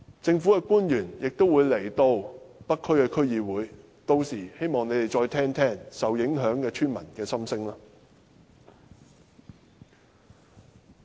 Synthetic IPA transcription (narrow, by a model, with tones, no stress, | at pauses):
t͡sɪ˧ŋfu˨˥kɛ˧kuː˥njyː˨˩njɪ˨k̚t̪o˥wuː˨˧jle˨˩jt̪o˧wpɐ˥kʰːɵ˥ɥkɛː˧kʰɵ˥ɥjiː˨˧wuː˨˥j | t̪o˧wsiː˨˩he˥jmɔː˨ŋne˨˧jt̪e˨jt͡ʃɔː˧jt̪ʰɛː˥ŋt̪ʰɛː˥ŋsɐ˨wjɪ˨˥ŋɦœː˨˥ŋkɛː˧t͡ʃʰyː˥nmɐ˨˩nkɛː˧sɐ˥msɪ˥ŋlaː˥